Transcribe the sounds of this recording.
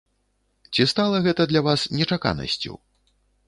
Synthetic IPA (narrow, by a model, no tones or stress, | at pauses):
t͡sʲist̪alˠɐɣɛt̪ɐd̪lʲavasnʲɛt͡ʂaka̰nɐ̰sʲt͡sʲṵ